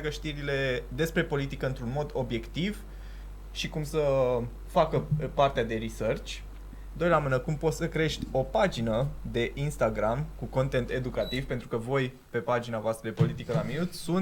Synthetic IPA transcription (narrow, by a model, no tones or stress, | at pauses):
kəʃt̪iɾile̞d̪e̞spɾe̞po̞lit̪ikəɨnt̪ɾunmo̞d̪o̞bje̞kt̪iv | ʃikumsə | fakəpart̪ead̪e̞ɾisərt͡ʃʲ | d̪o̞jlamɨnəkumpot̪səkɾe̞ʃt̪ʲo̞pad͡ʒinəd̪e̞ʔinst̪aɡɾamkuko̞nt̪e̞nt̪e̞d̪ukat̪iv̥pe̞nt̪ɾukəvo̞j | pe̞pad͡ʒinavoast̪ɾəd̪epo̞lit̪ikəlaminut̪ʲsun